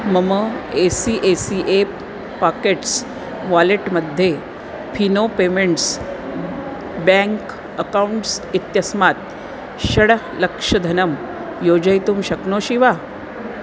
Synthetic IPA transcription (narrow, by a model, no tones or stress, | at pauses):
məməesiʔesiʔep | pakeʈs | ʋaleʈməd̪ʱje | pʰinopemeɳʈs | bɛ̃ŋk | əkauɳʈsit̪jəsmat̪̚ | ɕəɽ | ləkʂəd̪ʱənəm | jod͡ʑəjt̪uːmɕɐknoɕiʋa